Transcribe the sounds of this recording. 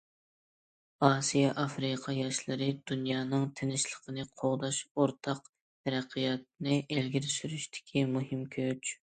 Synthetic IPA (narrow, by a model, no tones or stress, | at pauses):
ɑːsijɑʔɑfɾɨqʰɑjɑʃlˠɨɾɨd̪̥unjɑːnɨŋt̪ʰenɪʃlˠəqʰənɨqʰoʁd̪ɑʃoɾt̪ʰɑq | t̪ʰɛɾæqʰijɑt̪̚nɨʔelɡʲiɾɪsyɾyʃt̪ʰɪ̥kʲʰimuɦɨmkʲʰøt͡ʃ